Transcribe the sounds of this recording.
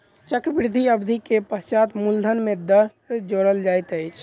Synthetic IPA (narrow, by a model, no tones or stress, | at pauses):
t͡ʃəkɾəbɾɪd̪ʱiəbd̪ʱikepəst͡ʃat̪muld̪ʱənmed̪əɾ | ed͡ʒoɾəld͡ʒajt̪əjt͡ʃʰ